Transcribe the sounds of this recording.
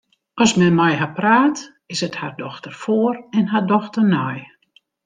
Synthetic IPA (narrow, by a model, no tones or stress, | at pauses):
ʔɔsmɛnmɛjɦapraːt | ɪsəthardɔxtərfoərɛnɦardɔxtərnɔj